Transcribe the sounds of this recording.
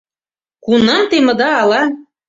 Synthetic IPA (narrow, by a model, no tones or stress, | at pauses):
kunɑnt̪emɤ̆d̪ɑːlɑ